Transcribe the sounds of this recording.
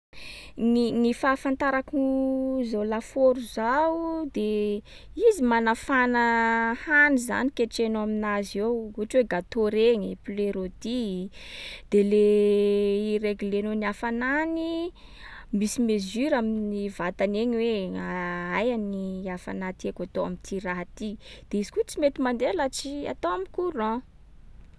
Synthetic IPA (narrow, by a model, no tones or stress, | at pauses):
ninifafant̪aɾakuzalafoɾuzawd̪e | izimanafanəhaniza̰nikeʈ͡ʂenaminazewuʈ͡ʂweɡat̪oɾeɲipleɾod̪i | d̪̥ele | iɾeɡlenoniafanani | misimezyɾaminivat̪aneɲweaajaniafa̰nat̪iekat̪oa̰mint̪ʰiɾaɦat̪id̪̥eizikut͡simet̪imand̪elat͡sia̰t̪oamikuɾã